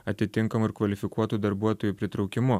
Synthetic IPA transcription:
ɐt̪ʲɪt̪ʲɪŋˑkɐmʊɪɾkʋɐlʲɪfʲɪkuɔt̪uːd̪ɐɾbuɔt̪oːjupʲɾʲɪt̪ɾɒʊkʲɪmʊ

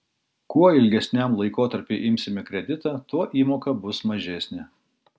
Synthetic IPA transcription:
kuɔɪlʲɡʲɛsʲnʲæmlˠɐɪkoːt̪ɐɾʲpʲɪʔɪmʲsʲɪmʲɪkɾʲɛd̪ʲɪt̪ɑːt̪uɔʔiːmoːkɐbʊsmɐʒʲɛsʲnʲɪ

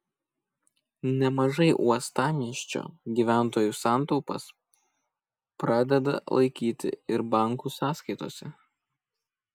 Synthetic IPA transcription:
nʲɛmɐʒɐɪʔuɔst̪ɑːmʲiɛʃʲt͡ʃʲo̰ːɡʲiːʋʲæˑnˑt̪oːjuːˑsɑˑnt̪ɒʊpɐs | pɾɑːd̪ʲɛd̪ɐ̰lˠɐ̰ɪkʲiːt̪ʲɪ̰ɪɾbɑˑŋkusɑːskɐɪt̪oːsʲɛ

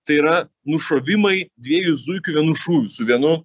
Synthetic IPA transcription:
t̪ɐɪiɾɐ | nʊʃoːʋʲɪmɐɪd̪ʲʋʲiɛjʊzuɪkʲʊʋʲiɛnʊʃuːʋʲʊsʊʋʲiɛnʊ

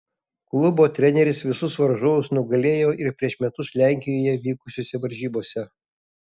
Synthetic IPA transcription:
klˠʊboːt̪ʲɾʲɛnʲɛɾʲɪsʋʲɪsʊsʋɐɾʒoʋʊsnʊɡɐlʲeːjoːʔɪɾpʲɾʲiɛʃmʲɛt̪ʊslʲæˑŋʲkʲɪjoːjɛʋʲiːkʊsʲoːsʲɛʋɐɾʲʒʲiːboːsʲɛ

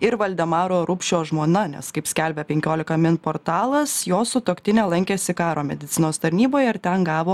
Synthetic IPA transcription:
ɪɾʋɐlʲd̪ʲɛmɑːɾoːɾupʲʃʲoːʒmoɔnɐnʲɛ̰skɐɪpsʲkʲælʲbʲɛpʲɛŋʲkʲoːlʲɪkɐmʲɪnpoːɾt̪ɑːlˠɐsjoːsʊt̪oːkt̪ʲɪnʲɛlˠɐŋʲkʲeːsʲɪkɑːɾoːmʲɛd̪ʲɪt̪sʲɪnoːst̪ɐɾʲnʲiːboːjɛɪɾt̪ʲɛnɡɑːʋoː

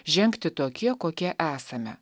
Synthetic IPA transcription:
ʒʲɛŋʲkt̪ʲɪt̪oːkʲiɛkoːkʲiɛʔæːsɐmʲɛ̰

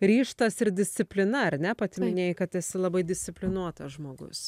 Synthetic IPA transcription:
ɾʲiːʃt̪ɐsɪɾd̪ʲɪsʲt̪sʲɪpʲlʲɪnɐɐɾnʲɛpɐt̪ʲɪmʲɪnʲeːjkɐt̪ɛsʲɪlˠɐbɐɪd̪ʲɪsʲt̪sʲɪpʲlʲɪnuɔt̪ɐʒmoːɡʊ̰s

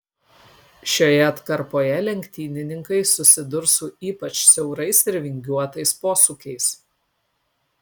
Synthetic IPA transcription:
ʃʲoːjɛɐt̪kɐɾpoːjɛlʲɛŋʲkʲt̪ʲiːnʲɪnʲɪŋkɐɪsʊsʲɪd̪ʊɾsʊʔiːpɐt͡ʃsʲɛʊɾɐɪsɪɾʲʋʲɪŋʲɡʲuɔt̪ɐɪspoːsuːkʲɛɪs

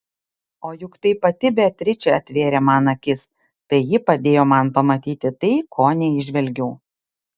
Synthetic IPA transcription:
oːjʊkt̪ɐɪpɐt̪ʲɪbʲɛt̪ʲɾʲɪt͡ʃʲɛɐt̪ʲʋʲeːɾʲeːmɑːnɐkʲɪs | t̪ɐɪjɪpɐd̪ʲeːjoːmɐnpɐmɐt̪ʲiːt̪ʲɪt̪ɐɪkʰoːnʲɛɪʒʲʋʲɛlʲɡʲɛʊ

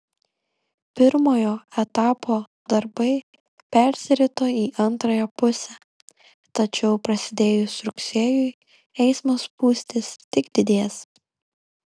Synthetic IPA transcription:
pʲɪɾmoːjoːɛt̪ɑːpoː | d̪ɐɾbɐɪ | pʲɛɾʲsʲɪɾʲɪt̪oːiːʔɐnt̪ɾɐjɛpʊsʲɛ | t̪ɐt͡ʃʲɛʊpɾɐsʲɪd̪ʲeːjʊsɾʊksʲeːjʊɪ | ɛɪsmoːspuːsʲt̪ʲest̪ʲɪɡd̪ʲɪd̪ʲeːs

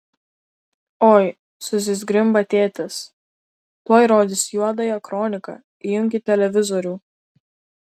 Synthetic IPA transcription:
oːj | sʊsʲɪzʲɡɾʲɪmbɐt̪ʲeːt̪ʲɪs | t̪oːjɾoːd̪ʲɪsjuɔd̪ɐjɛkɾɔːnʲɪkɐ̰ | ijʊŋʲkʲɪt̪ʲɛlʲɛʋʲɪzɔɾʲuː

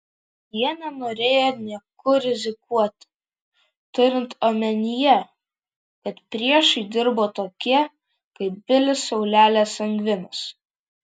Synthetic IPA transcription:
jiɛnʲɛnoːɾʲeːjoːnʲiɛkʊɾʲɪzʲɪkuɔt̪ʲ | t̪ʊɾʲɪnt̪oːmʲɛnʲɪjɛ | kɐt̪pʲɾʲiɛʃɐɪd̪ʲɪɾboːt̪oːkʲiɛ | kɐɪp̚bʲɪlʲɪsɐʊlʲæːlʲeːsɐŋʲɡʋʲɪnɐs

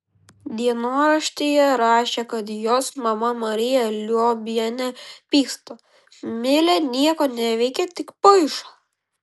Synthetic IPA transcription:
d̪ʲiɛnoːɾɐʃʲt̪ʲejɛɾɑːʃʲekɐt̪joːsmɐmɐmɐɾʲɪjɛlʲoːbʲjɛnʲɛpʲiːst̪o | mʲɪlʲɛnʲiɛkoːnʲɛʋʲɛɪkʲɛt̪ʲɪkpɐɪʃoː

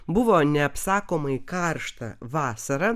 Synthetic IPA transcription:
bʊʋoːnʲɛɐpsɑːkoːmɐɪkɑɾʃt̪ɐ̰ʋɑːsɐɾɐ

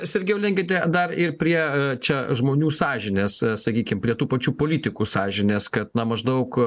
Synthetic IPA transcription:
sʲɛɾʲɡʲɛʊlʲɛŋʲkʲɪt̪ʲɛd̪ɐrɪrpʲɾʲiɛt͡ʃʲɛʒmoːnʲuːsɑːʒʲɪnʲeːssɐkʲiːkʲɪmpʲɾʲiɛt̪uːpɐt͡ʃʲuːpoːlʲiːt̪ʲɪkuːsɑːʒʲɪnʲeːskɐt̪nɐmɐʒd̪ɐʊk

